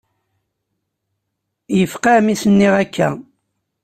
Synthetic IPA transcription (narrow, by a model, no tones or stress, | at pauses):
jəfqɑmisənːiʁækʰːæ̰